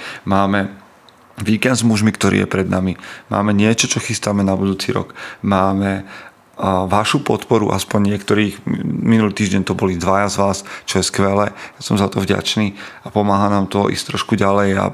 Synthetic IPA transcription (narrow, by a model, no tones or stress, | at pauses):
maːmɛ | ʋiːkɛnd̪zmuʒmikt̪ɔɾʔḭːjɛ̰pɾɛd̪namima̰ːmɛɲɪɛt͡ʃɔt͡ʃɔxist̪amɛnabud̪uːt͡sḭːɾɔ̰kmaːmɛ | ʋaʃupɔt̪pɔɾṵʔa̰spɔɲɲɪɛkt̪ɔɾiːxminuliːt̪iːʒɟɛnt̪ɔbɔlid̪ʋajazʋaːst͡ʃɔjɛskʋɛlɛjasɔmzat̪ɔvɟa̰t͡ʃniːapɔmaːɦanaːmt̪ɔʔḭst̪ɾɔʃkuɟalɛja̰